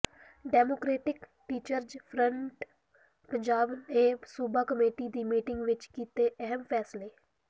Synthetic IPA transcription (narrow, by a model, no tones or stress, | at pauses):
ɖɛːmoːkɾeːʈɪk | ʈiːt͡ʃəɾd͡ʒpʰɾəɳʈ | pəɲd͡ʒaːbeːsuːbaːkəmeːʈiːd̪iːmiːʈɪŋɡʋɪt͡ʃkiːt̪eːʔəɦəmpʰɛːsleː